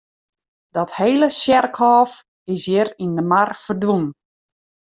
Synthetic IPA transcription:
dɔtheːləsjɛrkhɔːf | ɪsjɪɾindəmarfərdʋun

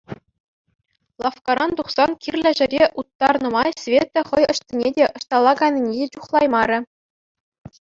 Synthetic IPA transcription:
lˠɑfkɑɾɑnt̪uχsɑnkʲirʲlʲɘ̆ʑɘ̆ɾʲeʔut̪ːɑrnɤ̆mɑsʲvʲet̪ʲːɘ̆χɤ̆jɤ̆ʃt̪ʲinʲedʲeʔɤ̆ʃt̪ɑlˠːɑkɑnʲĭnʲedʲet͡ɕuχlˠɑjmɑɾʲɘ̆

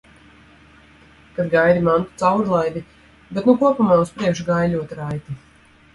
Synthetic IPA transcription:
kad̪ɡajd̪imãnt̪u̥t̪sawɾlˠajd̪i | bɛt̪nukuɔpumaːuspɾiɛkʃuɡajlʲuɔt̪ɾajt̪i

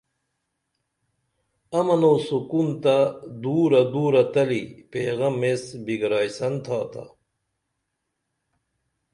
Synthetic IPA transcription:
ɐmɐnoːsukunt̪ad̪uːɾɐd̪uːɾɐt̪ɐlipeːɣɐmːesbiɡɐɾaːjsɐnt̪ʰaːt̪ʰa̰

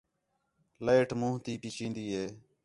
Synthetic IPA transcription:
laːʈmũːɦt̪iːpiːt͡ʃĩːnd̪iːɦeː

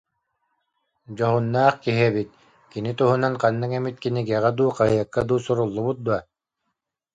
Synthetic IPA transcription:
d͡ʑɔɦunːaːχkiɦɛbit̪̚ | kinit̪uɦunanqanːɯkɛmit̪̚kiniɡɛʁɛd̪uːqaɦɯjɐkːad̪uːsuɾulˠːubut̪̚d̪uɐ

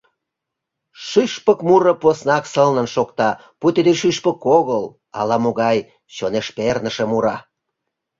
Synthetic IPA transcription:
ʃyʃpəkmuɾə̆posnɑksəlnənʃokt̪ɑ | put̪ed̪eʃyʃpəkoɣəl | ɑ̰lɑmoɣɑj | t͡ɕoneʃpernəʃĕmuɾɑ

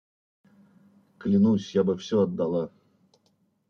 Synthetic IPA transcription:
klʲinusʲjabɨfsʲoɐd̪ːalˠa

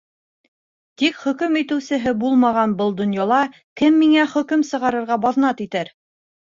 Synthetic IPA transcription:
t̪ikχɵ̆kɵmit̪ɘ̆wsɘ̆ɦɘbulˠmɑʁɑnbɤlˠd̪ŏnjɑlˠɑ | kɘmːiŋæχɵ̆kɘmsɤ̆ʁɑɾɤ̆ɾʁɑbɑðnɑt̪it̪æɾ

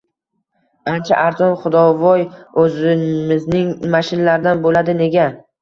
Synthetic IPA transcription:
ant͡ʃʰaʔaɾzɒnχʊd̪ɒvɒjɵzɪmɪznɪŋmaʃɪnlaɾd̪anbolad̪ɪne̞ɡʲa

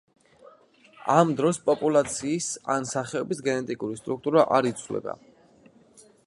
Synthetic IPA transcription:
amd̪ɾɔspʼɔpʼulˠat̪sʰiːsa̰nsaχɛɔbisɡɛnɛt̪ʼikʼuɾist̪ʼɾuk̚t̪ʼuɾaʔaɾit̪sʰvlɛ̰ba̰

